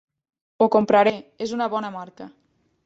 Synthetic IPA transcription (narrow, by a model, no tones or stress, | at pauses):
okompɾaɾeezunəβɔnəmaɾkə